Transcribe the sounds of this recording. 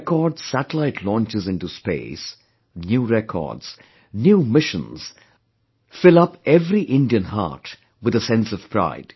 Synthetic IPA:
kɔɾɖz̥sæʈəlaɪʈʰlɔ̃ːnt͡ʃɨzɪ̃nʈuspḛɪs | njuːɾɛkʰɔ̰ːɖz̥ | njumɪʃə̃nz̥ | fɪlʌpɛvɾiʔɪ̃ndiɨ̃nɦa̰ɾʈ | wɨðəsɛ̃nsʌv̥pʰɾa̰ɪd̥

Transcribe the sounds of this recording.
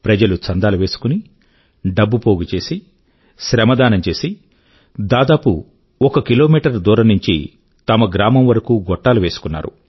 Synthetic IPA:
pɾɐd͡ʒɐlut͡ʃɐnd̪aːluʋe̞ːsu̥kuni | ɖɐbːupoːɡut͡ʃe̞ːsi | ʃɾɐmɐd̪aːnɐmt͡ʃe̞ːsi | d̪aːd̪aːpu | ɔkɐkiloːmiːʈɐɾd̪uːɾɐmnuɲt͡ʃḭ | t̪ɐmɐɡɾaːmɐmʋɐɾɐkuːɡɔʈːaːluʋe̞ːsu̥kunːa̰ːɾṵ

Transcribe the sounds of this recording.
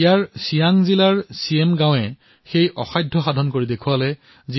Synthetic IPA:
ijaɹsijaŋzilaɹsiemɡãw̃ɛ | xejʔɔ̰xajdʱːɔxadʱɔnkoɹidekʰualɛ | zi

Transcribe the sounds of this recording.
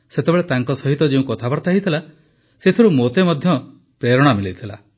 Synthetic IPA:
set̪ebeɭet̪aŋkɔsɔɦit̪ɔd͡ʒeũkɔt̪ʰabɔɾt̪aɦit̪ʰila | set̪ʰɔɾumot̪emɔd̪ʱjɔ | pɾeɾɔɽ̃amilit̪ʰila̰

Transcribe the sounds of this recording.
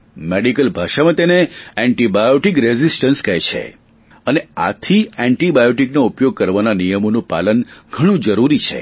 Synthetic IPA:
meɽikəlbʱaʃamãt̪eneɛɳʈibajoʈikɾezisʈənskɛjt͡ʃʰḛ | ənea̰t̪ʰiɛɳʈibajoʈiknoupjoɡ̚kəɾʋananijəmonũpa̰lənɡʱəɽ̃ũd͡ʒəɾuɾit͡ʃʰḛ

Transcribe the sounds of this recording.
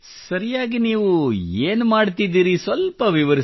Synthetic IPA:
sɐɾijaːɡiniːʋueːnumaːɖt̪id̪iːɾisʋɐlpɐʋiʋɐɾi

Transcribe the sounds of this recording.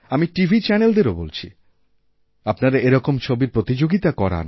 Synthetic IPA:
amiʈivʱit͡ɕɛneld̪eɾobolt͡ɕʰḭ | apnaɾaeɾɔkomt͡ɕʰobiɾpɾot̪id͡ʑoɡit̪akɔɾa̰n

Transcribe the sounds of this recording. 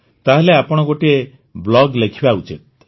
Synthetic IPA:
t̪aɦeleapɔɽ̃ɔɡoʈie | blɔɡlekʰibaut͡ʃit̪̚

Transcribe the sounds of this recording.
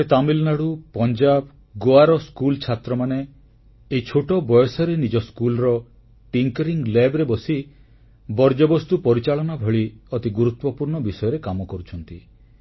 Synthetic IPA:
et̪amilnaɽupɔnd͡ʒab | ɡoaɾɔskult͡ʃʰat̪ɾɔmane | ejt͡ʃʰoʈɔbɔjɔsɔɾenid͡ʒɔskulɾɔ | ʈiŋkɾiŋɡlebɾebɔsi | bɔɾd͡ʒɔbɔst̪upɔɾit͡ʃaɭɔnabʱɔɭiɔt̪iɡuɾut̪wɔpuɾɳɔbisɔjɔɾekamɔkɔɾut͡ʃʰɔnt̪i

